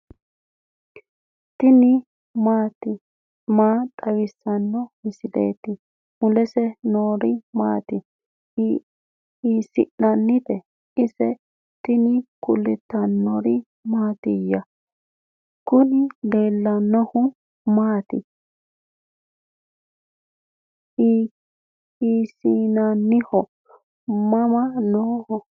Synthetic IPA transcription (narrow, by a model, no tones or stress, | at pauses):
t̪ɪnɪ | maːt̪ɪ | maːt̪ʼɐwɪsːɐnːɔmɪsɪd̪ḛːt̪ɪ | mʊlɛsɛnoːɾɪmaːt̪ɪ | isɪ̰ʔːɐnːɪt̪ɛ | ɪsɛ | t̪ɪnɪkʊlːɪt̪ːɐnːɔɾɪ | maːt̪ɪjɐ | kʊnɪd̪eːlːɐnːɔhʊ | maːt̪ɪ | isinanːɪhɔ | mɐmɐnoːhɔ